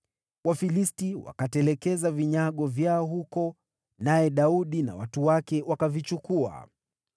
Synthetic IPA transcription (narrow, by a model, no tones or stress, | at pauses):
wafilistiwa̰katɛlɛkɛzaviɲaɠɔvjaɔɦukɔ | najɛɗauɗina̰watuwakɛwakavit͡ʃukua̰